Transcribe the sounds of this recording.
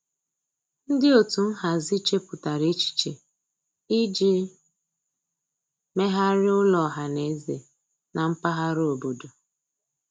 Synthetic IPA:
n̩˦dɪ˦o˨tu˨n̩˦ɦa˨zi˦t͡ʃe˦pʊ˨ta˨ɾe˦t͡ʃi̥˨t͡ʃe˨ | i˦d͡ʒi˦ | me˦ɦa˦ɾɪ˦ʊ˦lɔ˨ɦa˨ne˨˦ze˨ | nʔa˨m̩˦pa˦ɦa˦ɾo˨bo˨do˨

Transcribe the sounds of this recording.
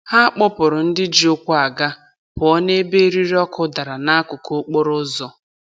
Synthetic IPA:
ha˦k͡pɔ˦pʊ˨ɾʊ˨n̩˦dɪ˦d͡ʒi˨o˦kʷu˦a˨ɡa˦ | bʊ˨ɔ˦ne˦be˦ɾi˦ɾɔ˦kʰʊ˦da˨ɾa˨na˦a˦kʊ˨ko˦k͡po˦ɾʊ˦zɔ˦

